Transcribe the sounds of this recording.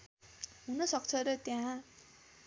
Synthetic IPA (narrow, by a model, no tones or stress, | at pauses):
ɦunʌsʌkt͡sʰʌɾʌt̪jã